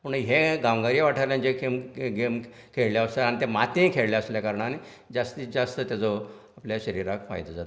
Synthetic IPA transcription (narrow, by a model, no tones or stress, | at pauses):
pəɳɦeɡaʋɡaɾieʋaʈʰəɾljãnd͡ʑekʰemɡem | kʰeɭljaəsaaɽ̃it̪emat̪ẽkʰeɭljaəsljakaɾəɳani | d͡zast̪iːt͡sd͡zast̪ət̪jad͡zɔ | apljaɕəɾiɾakfa̰jd̪əd͡zat̪